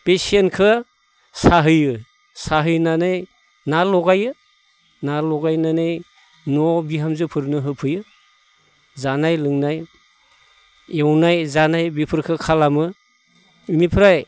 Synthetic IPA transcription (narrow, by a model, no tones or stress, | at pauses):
pesenkʰɯ | saɦɯjɯ | saɦɯjnanaj | nalɔɡajɯ | nalɔɡajnanaj | nɔbiɦamzɯpʰɯɾnɯɦɯpʰɯjɯ | zanajlɯŋnaj | ewnajzanajbipʰɯɾkʰɯkʰalamɯ | mipʰɾaj